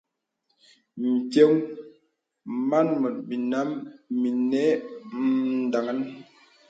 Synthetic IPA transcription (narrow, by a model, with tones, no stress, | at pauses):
m̩˨tje˦ŋ | ma˦nmɔ˨t̚mi˨na˦mmi˨nɛ˦m˨da˨ŋa˦n